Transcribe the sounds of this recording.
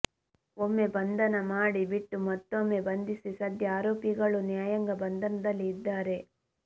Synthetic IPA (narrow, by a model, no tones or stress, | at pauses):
omːe̞bɐnd̪ʱɐnɐmaːɽibiʈːumɐt̪ːomːe̞bɐnd̪isisɐd̪ʱjɐaːɾoːpiɡɐɭunjaːjɐŋɡɐbɐnd̪ʱɐnɐd̪ɐlːiːd̪ːaːɾe̞